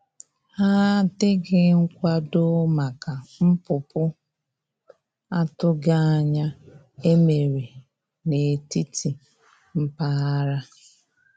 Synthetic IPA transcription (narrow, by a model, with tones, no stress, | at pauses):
ha˦tɪ˦ɡɪ˦ŋ̩˦kʷa˦dʊ˦ma˨ka˨m̩˦pʊ˨pʊ˦ | a˦tʊ˦ɡa˦a˨ɲa˦ | e˦me˨ɾe˨ | ne˨ti˦tʰi˨ | m̩˦pa˦a˦ɾa˦